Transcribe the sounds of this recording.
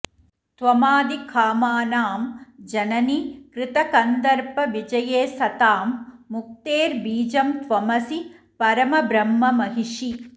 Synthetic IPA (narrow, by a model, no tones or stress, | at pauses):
t̪ʋɐmaːd̪ikʰaːmaːnaːmd͡ʒɐnɐnikɾɪt̪ɐkɐnd̪ɐɾpɐʋid͡ʒɐjeːsɐt̪aːmːuk̚t̪eːɾbiːd͡ʒɐmt̪ʋɐmɐsi | pɐɾɐmɐbɾɐmːɐmɐɦiʂi